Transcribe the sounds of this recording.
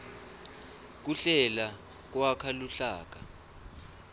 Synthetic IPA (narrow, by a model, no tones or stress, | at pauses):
k̬uɬɛla | k̬wakʰaluɬaːk̬a